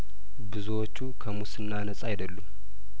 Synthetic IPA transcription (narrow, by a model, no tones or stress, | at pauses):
bɨzuwot͡ʃːukʰəmusɨnːanəsʼajd̪əlːum